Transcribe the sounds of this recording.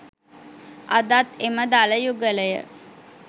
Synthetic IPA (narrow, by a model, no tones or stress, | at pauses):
ad̪at̪eməd̪aləjuɡələjə̰